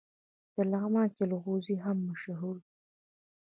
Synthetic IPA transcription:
d̪̥əlaɣmɑkelɣoziɦamːaʃɦuɾi

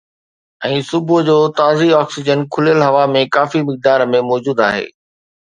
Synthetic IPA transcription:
ɛ̃ːsʊbʊd͡ʑoːt̪aːziɔːksɪd͡ʑənkʰʊlijəlɦɐʋamẽkaːfimɪk̚d̪aːɾmẽmɔːd͡ʑuːd̪a̰ːɦḛː

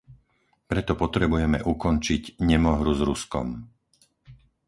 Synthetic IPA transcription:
pɾɛt̪ɔpɔt̪ɾɛbujɛmɛʔukɔnt͡ʃiɟɲɛmɔɦɾuzɾuskɔ̰m

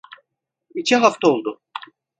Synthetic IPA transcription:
it͡ʃʰɛɦaft̪ʰaolˠd̪ʊ

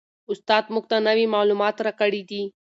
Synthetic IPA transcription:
ʊst̪ɑːd̪mʊk̚t̪anɐʋimaːlumaːt̪ɾakəɽid̪i

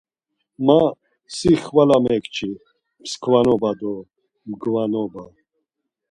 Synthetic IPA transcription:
ma | siχvalamɛkt͡ʃʰi | pskʰvanɔbad̪ɔ | mɡvanɔba

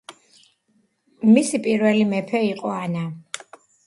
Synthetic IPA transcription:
misipʼiɾvɛlimɛpʰɛiqʼɔana

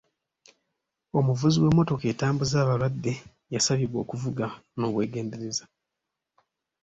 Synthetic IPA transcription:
o̞muvuziwe̞mːo̞to̞ke̞ːtaːmbuzaːβaɾwadːe̞ | jasaβiβwo̞̰ːkuvuɡano̞ːβwe̞ːɡe̞ːnde̞ɾe̞za

